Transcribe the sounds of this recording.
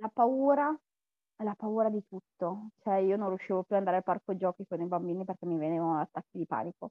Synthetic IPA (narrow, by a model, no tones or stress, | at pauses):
lapauːɾa | ɛlapauːɾad̪it̪ut̪ːot͡ʃoɛiːonõnrjuʃːiːvopjuand̪aɾalparkod͡ʒɔːkikonibambiːniperk̟emːiveneːvanoat̪ːakːid̪ipa̰ːniko